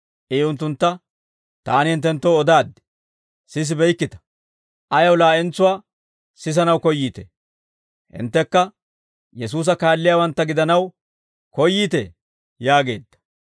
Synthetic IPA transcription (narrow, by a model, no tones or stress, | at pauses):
ʔeːʊnt̪̬ːʊnt̪ːɐ | t̪aːnɪhɪnt̪̬ːɛnt̪ːɔwɔd̪aːd̪ːɪ̥ | sɪs̬ɪbɛjkːɪt̪ɐ̥ | ʔɐjɐwlaːʔɪnt͡sʊwaː | sɪs̬ɐnɐwkɔjːiːt̪ḛ | hɪ̰nt̪ːɛkːɐ | jɛs̬uːs̬ɐkaːlːɪjaːwɐnt̪ːɐɡɪd̪ɐnɐw | kɔjːiːt̪ḛː | jaːɡe̞̰ːd̪ːɐ̥